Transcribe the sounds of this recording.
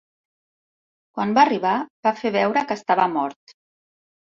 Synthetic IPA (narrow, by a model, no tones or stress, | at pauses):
kwanbariβ̞abafeβɛwɾəkəst̪aβəmɔɾt̪